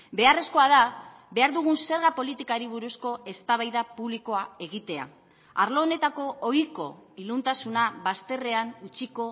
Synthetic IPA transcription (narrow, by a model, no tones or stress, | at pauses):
be̞are̞sko̞að̞a | be̞aɾðuɣ̞unse̞ɾɣapo̞lit̪ikaɾiβ̞uɾusko̞e̞st̪aβajðapuβliko̞ae̞ɣ̞it̪e̞a̰ | aɾlo̞ːne̞t̪ako̞ojko̞ilunt̪asunaβast̪e̞re̞anut͡siko̞